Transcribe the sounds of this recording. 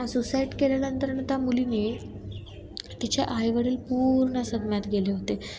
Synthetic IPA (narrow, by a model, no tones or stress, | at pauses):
ãsusaiʈkelelənt̪əɾəɳt̪amuliniː | t̪it͡ɕaʔajʋəɽiːlpuɾɳəsəd̪mjat̪ɡeleɦot̪e